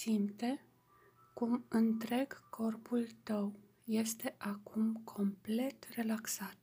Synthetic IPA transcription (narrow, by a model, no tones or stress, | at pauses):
simt̪e̞ | kumɨnt̪ɾe̞ɡkʰo̞rpult̪əw | je̞st̪e̞ʔakʰumkʰo̞mple̞t̪re̞laksat̪